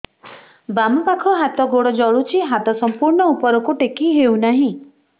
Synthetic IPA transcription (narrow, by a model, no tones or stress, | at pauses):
bamubakʰɔɦat̪ɔɡoɽɔd͡ʒɔɭut͡ʃʰiɦat̪ɔsɔmpuɾɳɔupɔɾɔkuʈekiɦewnaɦĩ